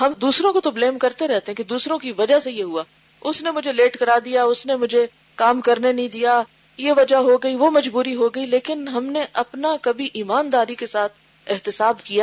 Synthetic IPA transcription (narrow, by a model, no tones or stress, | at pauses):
ɦɐmd̪uːsɾõkot̪obleːmkɐɾt̪eɾɛɦt̪eɦɛ̃kid̪uːsɾõkiʋɐd͡ʒasejeɦuaː | ʊsnemʊd͡ʒʱeleːʈkɐɾaːd̪ijaʊsnemʊd͡ʒʱe | kaːmkɐɾnenɐĩd̪ija | jeʋɐd͡ʒaɦoɡɐiʋomɐd͡ʒbuːɾiɦoɡɐileːkɪnɦɐmneʔɐpnakɐbʱiʔiːmaːnd̪aːɾikesaːt̪ʰ | ɪɦt̪ɪsaːbkija